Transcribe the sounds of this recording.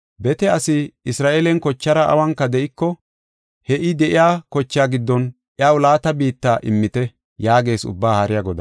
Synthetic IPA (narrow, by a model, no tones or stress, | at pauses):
bɛt̪ɛɐsɪɪsɾaːʔeːlɛnkɔt͡ʃːɐɾɐʔɐ̰wɐŋkːɐd̪ɛʔɪkːɔ | hɛʔɪd̪ɛʔɪjaːkɔt͡ʃːɪjaːɡɪd̪ːɔn | ʔjawlaːt̪ɐbiːt̪ːaːʔɪmːɪt̪ɛ | jaːɡe̞ːsʊ̰bːaːhɐɾɪjɐɡɔd̪ɐ